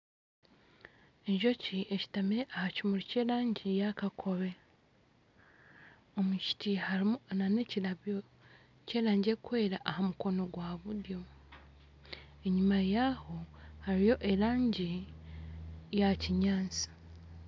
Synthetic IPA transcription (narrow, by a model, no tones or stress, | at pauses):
eɲʒo̞ciʔeci̥tamiɾeʔahacimuɾice̞ːɾaːɲɟijakakʰo̞βe̞ | omuʃi̥tihaɾnane̞cilaβjo | ce̞ːɾaːɲɟekwe̞ːɾaʔahamuko̞no̞ɡwaβuɾjo̞ | eɲumajaho̞haɾijo̞ʔe̞ɾaːɲɟi | jaciɲaːnt͡si̥